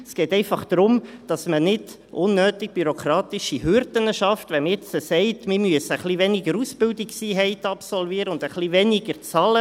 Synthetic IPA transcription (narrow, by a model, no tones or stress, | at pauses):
sɡ̥ɛːtɛɪfɑχd̪̥ɾʊmd̥ɑsmənɪd | ʔʊnːøːtɪɡ̚b̥yɾokɾɑːtɪʃiɦʏɾdənəʃɑftʋɛmɛt͡səsɛɪtmɪmyəsəəχlivɛnɪɡəɾusbɪldiksiːɦɛɪtɑpsɔlviːɾəʊnd̥əχlivɛniɡ̥əɾt͡sɑlə